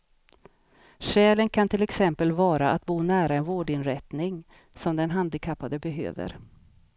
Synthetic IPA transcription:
ɕɛːlənkʰant̪ʰɪlɛksɛmpəlvɑːɾaʔat̪̚buːnæːɾaɛnvoːɖɪnɾɛt̪nɪŋ | sɔmd̪ɛnɦand̪ɪkʰapːad̪əbɛɦø̰ːvə̰ɾ

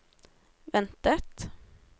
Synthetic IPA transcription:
ʋɛnt̪ət̪

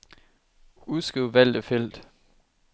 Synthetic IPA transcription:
uðˠsɡ̥ʁiʊ̰ʋæl̰d̥əfel̰d̥

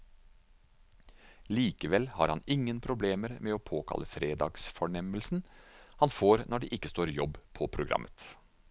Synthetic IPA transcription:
liːkəʋɛlhɑ̰ːɾhɑnɪŋːənpʰɾʊbleːməɾmeːoːpʰoːkʰɑ̰lʔəfɾeːd̪ɑ̰ːɡsfɔɳɛməlsn̩hɑnfoːɾnɔɖɛːʔɪkːəst̪oːɾjɔbpʰɔpʰɾʊɡɾʔɑ̰mʔət̪

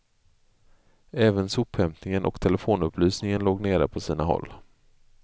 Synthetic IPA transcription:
ɛːvənsʊphɛmt̪nɪŋənʔɔ̰kt̪ʰɛlɛfoːnɵpʰlyːsnɪŋənloːɡneːɾə̰pʰɔsiːnaɦɔ̰lː

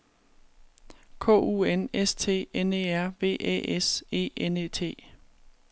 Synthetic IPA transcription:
kʰɔ̰̽ːṵːenest͡sʰe̝̰ːene̝ːæɐ̰ʋe̝̰ːʔḛːʔese̝̰ːeneːt͡sʰe̝̰ː

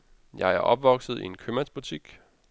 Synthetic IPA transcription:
jɑ̈ɪæɐʔɒ̽b̥ʋɒ̽ɡ̥sð̞̩ˠḭe̝nkʰømæsb̥ut͡sʰiɡ̥

